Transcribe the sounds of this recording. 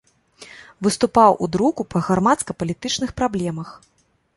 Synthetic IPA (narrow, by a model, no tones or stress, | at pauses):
vɨst̪upawʔṵd̪ɾukupʰɐɣarmat̪skɐpɐlʲit̪ɨt͡ʂnɨxpɾablʲɛmɐx